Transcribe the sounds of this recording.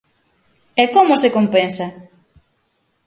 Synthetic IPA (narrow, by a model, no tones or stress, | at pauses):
ɛkomʊsekompensɐ